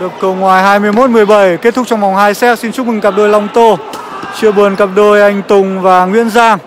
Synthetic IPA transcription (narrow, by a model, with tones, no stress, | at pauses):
ɗɨ˨˩əkːə˨˩wŋwaː˨˩jɦaː˧jmɨ˧əjmo˦˥t̚mɨ˨˩əjɓə˨˩jke˦˥t̪ʰʊ˦˥k̚t͡ɕɔ˧wŋ͡mma˨˩wŋ͡mhaː˧jsɛ˦˥t̚si˧nt͡ɕʊ˦˥k͡p̚mɨ˨˩ŋka˨˩p̚ɗo˧jlɔ˧wŋ͡mt̪o˧ | t͡ɕɨ˧əɓu˨˩ənka˨˩p̚ɗo˧jʔa˧jŋ̟t̪ʊ˨˩ŋ͡mvaː˨˩ŋwḭ˧˥ənzaː˧ŋ